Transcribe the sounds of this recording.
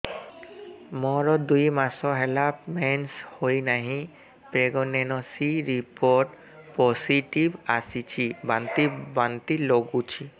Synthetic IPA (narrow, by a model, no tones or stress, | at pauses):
mɔɹɔd̪ujmasɔɦɛlapmɛnshojnaɦĩ | peɡɔnɛnɔsiɹipɔʈ | pɔsiʈibasit͡ʃʰibant̪ibant̪iloɡut͡ʃʰi